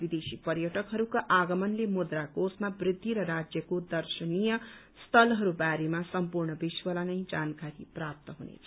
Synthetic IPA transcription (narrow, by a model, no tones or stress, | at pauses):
bid̪esipʌɾjʌʈʌkɦʌɾukaʔaɡʌmʌnlemud̪rakosmabrid̪ʱːiɾʌɾad͡zjʌkod̪ʌrsʌnijʌ | st̪ʰʌlɦʌɾubaɾemasʌmpurɳʌbiswʌlanʌjd͡zankaɾiprap̚t̪ʌɦunḛt͡sʰʌ